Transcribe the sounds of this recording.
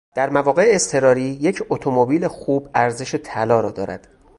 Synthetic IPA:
d̪̥æɾmævɒːɣe̞eːst̪ʰe̞ɾɒːɾiːje̞cʰot̪ʰo̞mobiːlexuːbæɾze̞ʃe̞t̪ʰælɒːɾɒːd̪ɒ̰ːɾæ̰d̪̥

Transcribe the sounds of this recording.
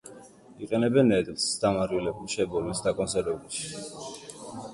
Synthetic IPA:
iqʼɛnɛbɛnɛt̪ʼlsd̪̥amaɾilɛbmʃɛbɔlmɛsd̪akʼɔnsɛɾɛbulˠʃi̥

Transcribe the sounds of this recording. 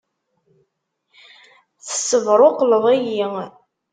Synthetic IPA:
θə̥sːəvɾˤoqləðˤejiŋ

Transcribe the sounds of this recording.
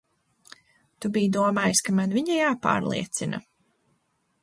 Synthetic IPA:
t̪ubijd̪uɔmaːjskamanviɲajaːpa̰ːɾlˠḭɛt̪sina̰

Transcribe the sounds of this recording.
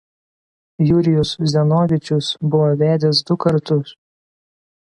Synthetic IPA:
juːɾʲɪjʊszʲɛnoːʋʲɪt͡ʃʲʊsbʊʋoːʋʲæːd̪ʲɛs̬d̪ʊkɐɾt̪ʊs

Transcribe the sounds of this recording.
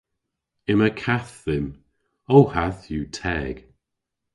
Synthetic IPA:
ɪməkʰaθðɪm | owhaθjuːtʰɛːɡ̥

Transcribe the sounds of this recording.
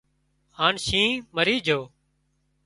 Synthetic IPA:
haːɳʃĩːməɾiːd͡ʒʱoː

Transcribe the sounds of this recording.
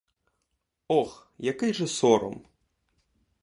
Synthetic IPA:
ɔxjakɪjʐɐsɔɾɔ̰m

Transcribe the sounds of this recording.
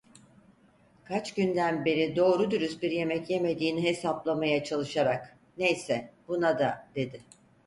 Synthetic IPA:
kʰat͡ʃɟynd̪ænbe̞ɾid̪o̞ːɾud̪yɾysbiɾje̞mɛcje̞me̞d̪iːniɦe̞saplˠamajat͡ʃʰalˠɯʃaɾak | ne̞jsɛbunad̪ad̪̥e̞d̪ɪ

